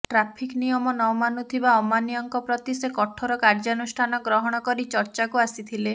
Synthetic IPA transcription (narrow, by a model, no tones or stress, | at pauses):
ʈɾapʰiknijɔmɔnɔwmanut̪ʰibaɔmanijɔŋkɔpɾɔt̪isekɔʈʰɔɾɔkaɾd͡ʒanusʈʰanɔɡɾɔɦɔɽ̃ɔkɔɾit͡ʃɔɾt͡ʃakuasit̪ʰile